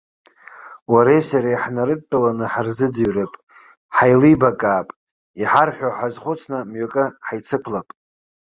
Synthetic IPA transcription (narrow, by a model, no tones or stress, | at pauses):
waɾejsaɾaħnaɾɨt̚ʼtːʼalanɨħarzɨd͡ziɥrepʼ | ħajlɨbakʼaːpʼ | iħarħʷᶣoħazχʷʊt͡sʰnɨmɥokʼɨħajt͡sʰɨkʷʰlapʼ